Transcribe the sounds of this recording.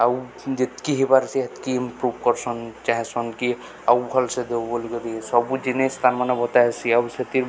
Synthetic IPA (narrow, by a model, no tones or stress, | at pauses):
aw | d͡ʒet̪kiɦibaɾsiɦat̪kiimpɾubkɔɾsɔnt͡ʃaɦesɔnki | awbʱɔlsed̪ebɔlɡɔɾisɔbud͡ʒinest̪amanɔbɔt̪asiawset̪iɾ